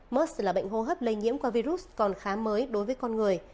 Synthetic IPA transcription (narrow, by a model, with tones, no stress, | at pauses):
məː˦˥slaː˨˩ɓə̰˧˨ŋ̟ɦo˧ɦəː˦˥p̚lə˧jŋḭ˧˥əmkwaː˧vi˧zu˦˥s̚kɔ˨˩nxaː˨˦məː˨˦jɗo˨˦jvəː˨˦jkɔ˧nŋɨ˨˩əj